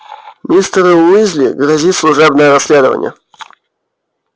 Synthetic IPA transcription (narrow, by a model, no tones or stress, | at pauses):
mʲist̪ɾɨmɨzʲlʲiɡɾɐzʲit̪slˠʊʐɛbnəjəɾɐsʲːlʲed̪əvə̰nʲɪ̰jə̰